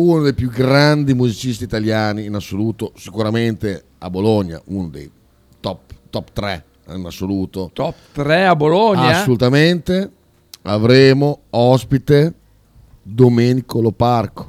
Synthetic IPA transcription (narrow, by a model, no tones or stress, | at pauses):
unod̪ejpjuɡɾand̪imuzit͡ʃist̪iːt̪aljaːniːnasːoluːt̪osikuɾament̪e | a̰boloɲːa̰unod̪ḛj | t̪ɔpt̪ɔpt̪ɾɛ | inasːoluːt̪ot̪ɔpt̪ɾɛaboloɲaasolut̪ament̪e | avɾeːmoɔspit̪e | d̪omeːnikoloparko̥